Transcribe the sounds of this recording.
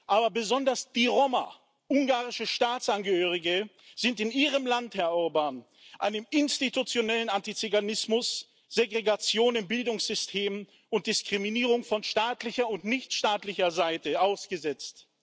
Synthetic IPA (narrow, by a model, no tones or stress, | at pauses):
ʔaːbɐbəzɔndɐsd̥iːʁɔmɐ̰ | ʔʊŋɡaːʁɪʃəʃtaːtt͡sʔanɡəhøːʁ̞ɪɡə | z̥ɪntɪniːʁ̞əmlanthɛɐʔʊɐbaːn | ʔa̰ɪnəmɪnstitut͡sjonɛlənantit͡syɡanɪsmʊs | z̥eɡʁeɡat͡sjoːnɪnbɪldʊŋsz̥ʏstʰeːmən | ʊnt̚d̥ɪskʁ̥iminiːʁʊŋfɔnʃtaːtlɪçɐʊntnɪçtʃtaːtlɪçɐzaɪtəʔaʊsɡ̥əzɛt͡st